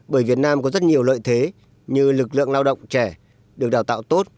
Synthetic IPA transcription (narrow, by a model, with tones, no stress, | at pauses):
ɓəː˧˩jvi˨˩ət̚naː˧mkɔ˨˦zə˦˥t̚ɲi˨˩əwlə̰ː˧˨jt̪ʰe˨˦ | ɲɨ˧lɨ˨˩k̚lɨ̰˧˨əŋlaː˧wɗə̰˧˨wŋ͡mt͡ɕɛ˧˩ | ɗɨ˨˩ək̚ɗaː˨˩wt̪a̰ː˧˨wt̪o˦˥t̚